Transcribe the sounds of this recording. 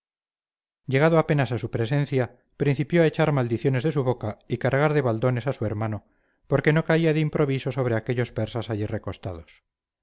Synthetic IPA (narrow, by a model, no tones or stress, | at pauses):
ɟ͡ʝe̞ɣ̞aðoape̞nasasupɾe̞se̞nθja | pɾin̟θipjoae̞t͡ʃaɾmald̪iθjo̞ne̞zðe̞suβo̞kaikaɾɣaɾðe̞βald̪o̞ne̞sasue̞ɾmano̞ | po̞ɾke̞no̞kaiaðeimpɾo̞β̞iso̞so̞β̞ɾe̞ake̞ʎo̞spe̞ɾsasaʝire̞ko̞st̪a̰ð̞os